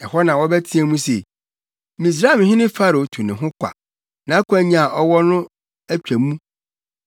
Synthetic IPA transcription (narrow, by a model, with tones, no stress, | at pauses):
ɛ˨hɔ˦nã˨wɔ˦bɛ˦tʰi˦æ˨mũ˦se˨ | mĩ˨s̬ɾa˦˨m˨ɦɪ̃˦nɪ̃˦fa˦ɾo˨tʰu˨nɪ̃˨ɦʊ̃˦kʷʰa̰˨ | nã˨˦kʰæ˨˦ɲã˨a˨ʔɔ˦wɔ˦nʊ̃˦ | æ˦t͡ɕᶣæ˨mũ˦